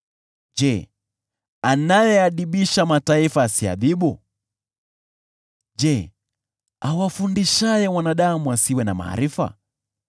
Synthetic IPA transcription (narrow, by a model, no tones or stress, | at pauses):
d͡ʒɛ | anajɛaɗiɓiʃamataifaːsia̰ðiɓu | d͡ʒɛ | awafundiʃajɛmwanaɗamuasiwɛnama̰a̰ɾifa̰